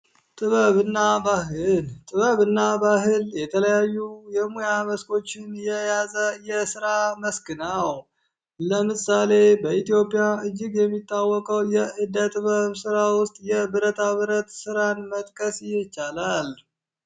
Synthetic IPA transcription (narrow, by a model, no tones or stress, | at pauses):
t̪ʼɨβəβɨnːabaɦɨlt̪ʼɨβəβɨnːabaɦɨljɛt̪ʰələjajːujɛmojaməskʰʼo̞t͡ʃːɪnjɛjazəjɛsɨɾaməskɨnaw | ləmɨsale̞bəit̪ijo̞pʼːijaɨd͡ʒːɪɡjɛmːit̪ʼːawːɔkʼəwjɛʔɨd̪ət̪ʼɨβəβsɨɾawʊst̪ʼjɛbɨɾət̪ʰaβɨɾət̪sɨɾanmət̪ʼkʼəsjɪt͡ʃːalal